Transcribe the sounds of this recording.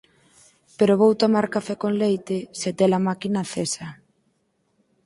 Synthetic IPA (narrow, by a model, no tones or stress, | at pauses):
peɾoβowt̪omaɾkafɛkonlejt̪ɪset̪ɛlamakinaθesa